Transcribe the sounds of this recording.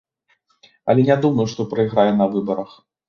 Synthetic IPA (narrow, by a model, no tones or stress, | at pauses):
ɐ̰lʲɛnʲad̪umɐjuʂt̪ɔpɾɐiɣɾajɛn̪ɐvɨbɐɾɐx